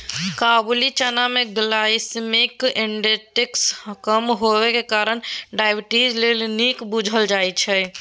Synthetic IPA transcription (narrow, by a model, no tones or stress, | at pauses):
kabulit͡ʃənameɡlaismikeɳɖeʈekskəmɦowekekaɾənɖajbʈid͡ʒlelnikbud͡ʒʱəld͡ʒajt͡ʃʰɛ